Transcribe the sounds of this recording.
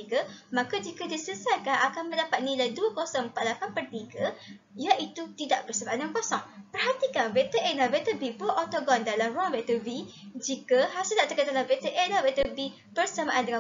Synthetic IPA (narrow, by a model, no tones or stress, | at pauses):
iɡəmãkad͡ʒikadisəsarkaakanmə̃ndapat̪̚nilajduəkosɔŋəmpaʔ̪̚lakanpərt̪iɡə | jaʔit̪ut̪idaʔbərsamaʔandəŋãnpɔsɔŋpərɦat̪ikanbet̪əʔenavet̪əbibəʔɔt̪oɡɔndalamruaŋbet̪əvid͡ʒikəɦasədaʔt̪əkət̪alabet̪əʔelabet̪əbi | bərsamaʔandəŋa